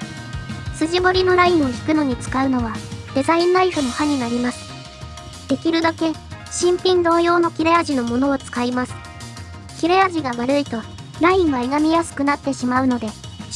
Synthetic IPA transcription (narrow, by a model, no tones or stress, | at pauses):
sɨʑibo̞ɾʲino̞ɾaĩɰ̃o̞kʲi̥kɯ̟no̞ɲ̟it͡sɨ̥kaɯ̟no̞βad̪e̞zaĩnːaiɸɯ̟no̞haɲ̟inaɾʲimasɨ̥ | d̪̥e̞kʲiɾɯ̟d̪ake̞ɕĩmpʲĩnd̪o̞ːjo̞ːno̞kʲiɾeaʑino̞mo̞no̞ːt͡sɨ̥kaimasɨ̥ | kʲiɾejaʑiɡaβaɾɯ̟it̪o̞ | ɾaĩɰ̃βaeɡamʲijasɨ̥kɯ̟nat̪ːe̞ɕimaɯ̟no̞d̪e̞